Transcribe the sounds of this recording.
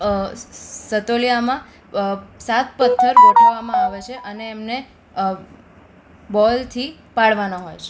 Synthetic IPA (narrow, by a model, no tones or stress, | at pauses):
sət̪olijamã | sat̪̚pət̪ʰːəɾoʈʰaʋamãaʋet͡ʃʰeʔəneːmne | bɔlt̪ʰi | paɽʋanaɦojt͡ʃʰe